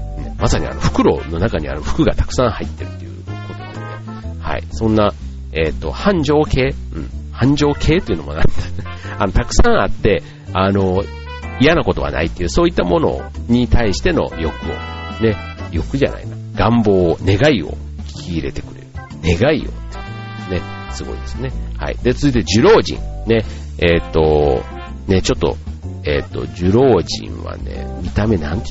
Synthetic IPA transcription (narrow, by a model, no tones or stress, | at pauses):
masaɲ̟ḭa̰no̞ɸɯ̟̥kɯ̟ɾo̞̰no̞nakaɲ̟ia̰ɾɯ̟ɸɯ̥kɯ̟ɡat̪ḁkɯ̟̥sãɰ̃hait̪ːe̞ɾɯ̟t̪ːejɯ̟ko̞t̪o̰one | ha̰ḭsõ̞nːa | e̞t̪ːo̞̰hãɲ̟d͡ʑo̞ːke̞ːɯ̟̃ɴhãɲ̟d͡ʑo̞ːkʰe̞ːt̪oeiɯ̟nomo̞̰nãd̪eanot̪akɯ̟̥sãɰ̃at̪ːe̞ | ano̞ | ijanako̞t̪o̞βa̰na̰it̪ːe̞jɯ̟ːso̞ːit̪ːamo̞no̞̰ɲ̟it̪aiɕi̥t̪e̞no̞̰jo̞kɯ̟o̞̰ne̞ | jo̞kɯ̟ʑa̰nʔa̰ina | ɡãmbo̞ːne̞ɡaio̞̰ | kʲʰiːɾe̞t̪e̞̥kɯ̟ɾe̞ɾɯ̟ | ne̞ɡaio̞̰t̪ːe | ne̞ | sɨɡo̞̰ḭd̪e̞sɨne̞ha̰ḭd̪e̞t͡sɨzɨit̪eed͡ʑɨɾo̞ːʑḭ̃ŋne̞ | et̪ːo̞ | ne̞t͡ɕo̞t̪ːo̞̰e̞t̪ːo̞̰ʑɨɾo̞ːʑḭ̃ɰ̃βa̰ne̞̰mʲit̪ame̞nãnt̪